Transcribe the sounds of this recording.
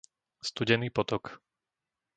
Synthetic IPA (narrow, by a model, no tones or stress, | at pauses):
st̪uɟɛniːpɔt̪ɔk